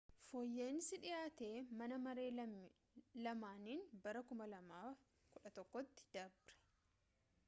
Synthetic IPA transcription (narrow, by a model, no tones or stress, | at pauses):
foːjːe̞ːnsɪᶑɪjaːt̪e̞ːmɐnɐmɐɾe̞ː | lɐmaːniːnbɐɾɐkʊmɐlɐmaːf | kʊᶑɐt̪ɔkːɔt̪ːɪ̥d̪̥ɐbɾɛ̥